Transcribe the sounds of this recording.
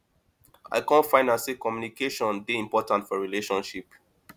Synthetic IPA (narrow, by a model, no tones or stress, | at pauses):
a̰ɪkãntfãɪ̃nãnsikɔmjunikeʃɔ̃nbiĩmpɔtãntfɔɹileʃɔ̃nʃip